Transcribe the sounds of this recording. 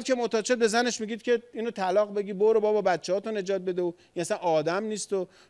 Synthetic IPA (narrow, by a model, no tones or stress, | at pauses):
kʰemot̪ʰɒːt͡ʃʰed̪̚be̞zæne̞ʃmiɡɟiːd̪̥cʰe̞iːnot̪ʰælɒːɣbe̞ɡʲiːboɾobɒbɒːbæt̪t͡ʃʰːehɒːt̪one̞d͡ʒɒːt̪̚be̞d̪eo | inæsænʔɒːd̪æmniːst̪o